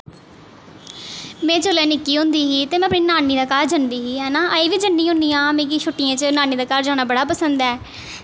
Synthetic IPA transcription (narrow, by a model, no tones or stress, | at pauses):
mɛ̃ːd͡ʒolɛːnɪkːiːɦʊ̃nd̪iːɦiːt̪eːmɛ̃ːəpniːnaːniːd̪aːkaːɾd͡ʒənd̪iːɦiːɦɛːnaːʔəiːʋiːd͡ʒənːĩːɦʊ̃nd̪iːãːmẽːk̬ɪt͡ʃʰʊʈːɪjãːt͡ʃənaːniːd̪aːkaɾd͡ʒaːñaːbəɽaːpəsənd̪ɛː